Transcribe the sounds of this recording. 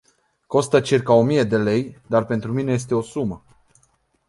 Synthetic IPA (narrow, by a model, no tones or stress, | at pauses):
ko̞st̪ət͡ʃirkao̞mije̞d̪e̞le̞jd̪arpe̞nt̪ɾumine̞jes̬t̪e̞o̞sumə